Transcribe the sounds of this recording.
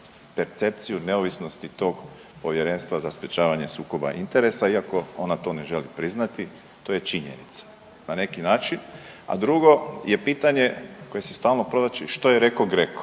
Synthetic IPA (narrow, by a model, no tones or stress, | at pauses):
pe̞ɾt̪se̞p̚t̪sijune̞oʋisno̞st̪it̪o̞ːɡ | po̞ʋje̞ɾe̞nst̪ʋazaspje̞t͡ʃaːʋaɲe̞suːko̞ba̰ʔint̪e̞ɾe̞saiako̞o̞nat̪o̞ne̞ʒe̞lipɾiznat̪i | t̪o̞je̞t͡ʃiɲḛnit̪sḁ | nane̞kinaːt͡ʃina̰d̪ɾuɡo̞je̞piːt̪aɲe̞ko̞je̞sist̪aːlˠno̞pɾo̞d̪at͡ʃiʃt̪o̞jeɾe̞koɡɾek